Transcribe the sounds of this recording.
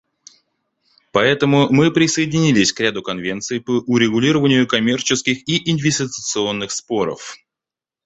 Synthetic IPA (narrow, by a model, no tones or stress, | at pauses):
pɐɛt̪əmʊmɨpɾʲɪsəɪdʲɪnʲilʲɪsʲkɾʲad̪ʊkɐnvʲe̞nt̪sɨjpəʔʊɾʲɪɡʊlʲiɾəvənʲɪjʊkɐmʲe̞rt͡ɕɪskʲɪxiʔɪnvʲɪsʲtʲɪt̪t̪sɨo̞nːɨxspo̞ɾə̰f